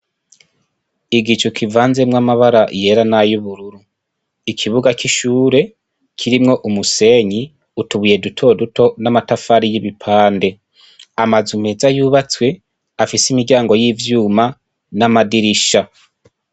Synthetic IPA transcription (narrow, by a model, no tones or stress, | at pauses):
iɡit͡ʃukʰivaːnze̞mŋamaβaɾaʔje̞ɾanajuβuɾuɾu | ikʰiβuɡakiʃuːɾe̞ | kʰiɾimŋo̞ʔumuse̞ɲi | utuβuje̞dutʰo̞duto̞namatafaɾijiβipʰaːnde̞ | amazume̞zajuːβat͡swe̞ | afisimiɾɟaːŋɡo̞jivjuːma | namadiɾiʃa